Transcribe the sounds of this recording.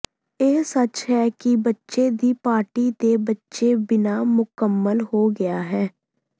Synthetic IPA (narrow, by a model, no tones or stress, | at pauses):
eːsət͡ʃɦɛːkɪbətːʃeːd̪iːpaːɾʈiːd̪eːbətːʃeːbɪnaːmʊkəmːəlɦoːɡɪaːɦɛː